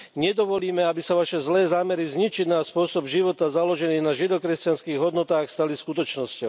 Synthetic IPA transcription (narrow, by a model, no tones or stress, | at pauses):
ɲɛd̪ɔʋɔliːmɛabisaʋaʃɛzlɛːzaːmɛɾizɲit͡ʃid̪naspʊɔsɔbʒiʋɔt̪azalɔʒɛniːnaʒid̪ɔkɾɛscanskiːɣɦɔd̪nɔt̪aːxst̪aliskut̪ɔt͡ʃnɔscɔʊ